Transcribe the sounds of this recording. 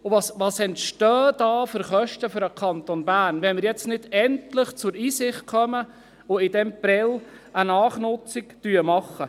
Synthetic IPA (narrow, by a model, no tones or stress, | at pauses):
ʊvɑsʋɑːsɛntʃtœːdɑːfʏɾχœʃtəføɾəkʰɑnt̪onbæːɾnʋɛnmɪɾjɛt͡stnɪdɛntlɪχt͡sʊɾiːsɪχt̚kʰœmə | ʊɪd̥ɛmprɛlənɑːχnʊt͡sɪktyəmɑχːə